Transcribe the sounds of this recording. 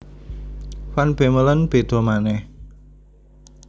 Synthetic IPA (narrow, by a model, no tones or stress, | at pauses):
wanb̥emələnb̥e̤d̪ɔ̤manɛh